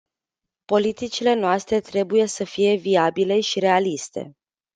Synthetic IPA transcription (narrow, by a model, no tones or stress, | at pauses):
po̞lit̪it͡ʃile̞noast̪ɾe̞t̪ɾe̞buje̞səfije̞viabile̞ʃiɾe̞alist̪e̞̰